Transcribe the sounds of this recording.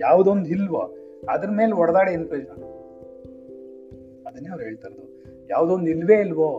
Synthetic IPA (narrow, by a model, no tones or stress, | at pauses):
jaːʋud̪ond̪ilːʋo̰ | ɐd̪ɐɾme̞ːlɔɽɐd̪aːɽeːnːpɾeːʃɐn | ɐd̪ɐnːeːɐʋɾɦe̞ːɭt̪aɾod̪u | ja̰ːʋd̪ond̪ilːʋe̞ːilʋoː